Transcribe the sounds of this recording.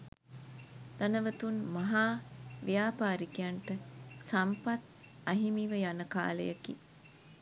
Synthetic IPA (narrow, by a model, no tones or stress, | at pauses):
d̪̥anəʋət̪unmaɦaːʋijaːpaːɾikijaɳʈəsampat̪ | ɐɦimiʋəjanəka̰ːlə̰jakḭ